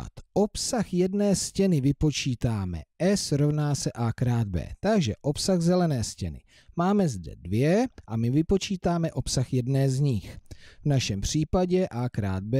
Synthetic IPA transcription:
t̪ʔo̞psaxjɛdnɛːscɛnɪvɪpo̞t͡ʃiːt̪aːmɛ̰ʔɛsɾo̞vnaːsɛʔaːkɾaːd̪̚bɛ̰ːt̪aɡʒɛʔo̞psaɣzɛlɛnɛːscɛnɪ̰ | maːmɛzdɛ̰dvjɛʔamɪvɪpo̞t͡ʃiːt̪aːmɛʔo̞psaxjɛdnɛːzɲɪxvnaʃɛmpr̝̥iːpaɟɛʔaːkɾa̰ːd̪̚bɛ

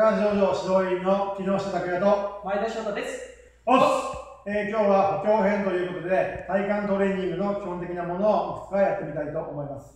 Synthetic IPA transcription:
kãʑoːd͡ʑoːɕizo̞ːinokʲino̞ːɕi̥t̪ad̪akejat̪omaed̪eɕoːkad̪esɨ̥ | o | ekʲo̞ːβahokʲo̞ːɦẽ̞nt̪o̞jɯ̟ːko̞t̪o̞d̪e̞t̪aikãnt̪o̞ɾe̞ːɲ̟ʲĩŋɡɯ̟no̞kʲihõnt̪e̞kʲinamo̞no̞ːʔokɯ̥t͡sɯajat̪ːe̞mʲit̪ait̪o̞ʔomo̞imasɨ̥

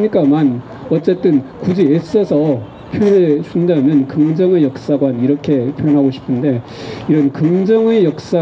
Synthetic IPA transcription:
ɲik͈aman | ʌt͡ɕ͈e̞t͈ɯnkud͡ʑies͈ʌsʰʌ | pʰjoɦesundamjʌnkɯŋd͡ʑʌŋe̞jʌk̚s͈aɡwaniɾʌkʰe̞pʰjʌnɦaɡoɕʰi̥pʰɯnde̞ | iɾʌnkɯŋd͡ʑʌŋe̞jʌk̚s͈a

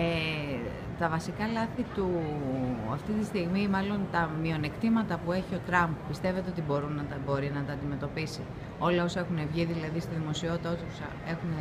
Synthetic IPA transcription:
e | t̪ɐvɐsikɐlɐθit̪u | ɐft̪it̪ist̪iɣmimɐlo̞nt̪ɐmio̞ne̞kt̪imɐt̪ɐpue̞çio̞t̪ɾɐmppist̪e̞ve̞t̪e̞o̞t̪ibo̞ɾunɐt̪ɐbo̞ɾinɐt̪ɐːnd̪ime̞t̪o̞pisi | o̞lɐo̞sɐe̞xune̞vʝiðilɐðist̪iðimo̞sio̞t̪it̪ɐot̪iosɐ | e̞xune

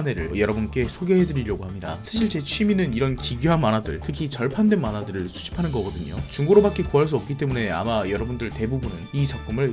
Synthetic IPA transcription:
ne̞ɾɯ̰ɭjʌɾʌbunk͈e̞sʰoɡe̞ɦe̞dɯɾiɾjʌɡohamɲida̰sʰaɕʰiɭt͡ɕe̞t͡ɕʰɥiminɯniɾʌnkiɡjuɦanmanadɯ̰ɭtʰɯkʰit͡ɕʌɭpʰandwe̞nmanadɯɾɯɭsʰuɕʰi̥pʰanɯnɡʌɡʌdɯɲo̰t͡ɕuŋɡoɾobak͈ekuɦaɭs̬͈uʌp̚k͈it͈e̞mune̞a̰majʌɾʌbundɯɭte̞bubunɯnit͡ɕʰʌk͈ɯmɯɭ

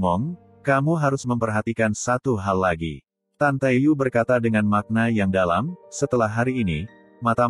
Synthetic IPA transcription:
ɔŋ | kamuɦaɾʊsməmpərɦat̪ikansat̪uɦalːaɡḭ | t̪ant̪aijubərkat̪adəŋanmak̚najaŋdala̰msət̪əlahɦaɾiːnḭ | mat̪a

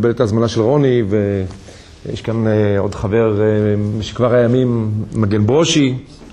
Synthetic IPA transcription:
beletazmanaʃelʁo̞nive | jɛ̰ʃkano̞dχave̞ʁʃe̥kvaʁajamimːaɡenboʃi

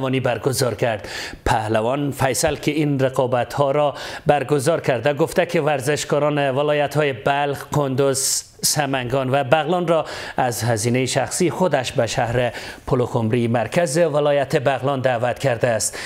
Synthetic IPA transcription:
vɔnibaɾɡʊzɔɾkʰaɾd̪pʰahlavɒnfajsalkʰɪinɾeqɒbat̪hɔɾɔbæɾɡʊzɒɾkʰaɾd̪aɡʊft̪akɪvaɾzɪʃkɒɾɒnevɪlɔjat̪hɔːjebalχkʰond̪ʊz̥ | samaŋɡɔnvabaɣlɒnɾɔazhaziːnejeʃaxsixʊd̪aʃbaʃahɾepʰʊlokomɾimaɾkʰazevɪlɔjat̪ɪbaɣlɔnd̪aːvat̪kʰaɾd̪aːst̪

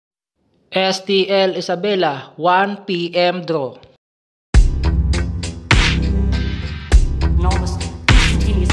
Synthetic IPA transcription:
ʔɛst̪iʔɛlɪsɐbɛlawanpiʔɛmd̪ɾo | nos | i

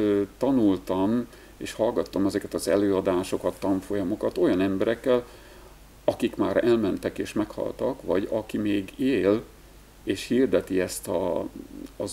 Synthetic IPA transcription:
t̪ɒnult̪ɒm | eːʃhɒlɡɒt̪ːomɛzɛkɛt̪ɒzɛ̰løːɒd̪aːʃo̞kɒt̪ːɒɱfo̞jɒmo̞kɒt̪o̞jɒnɛmbɛɾɛkːɛl | ɒkikmaːɾɛlmɛnt̪ɛkeːʃmɛkhɒ̰lt̪ɒkʋɒɟɒkimeːɡeːl | eːʃhird̪ɛt̪iɛst̪ɒː | z

